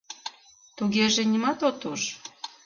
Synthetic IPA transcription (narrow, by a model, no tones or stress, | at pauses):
t̪uɣeʒĕnʲimɑt̪ot̪oʃ